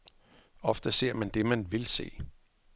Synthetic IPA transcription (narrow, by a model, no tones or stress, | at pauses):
ɒ̽fd̥əse̝ɐ̰mænd̥e̝mænʋe̝lse̝̰ː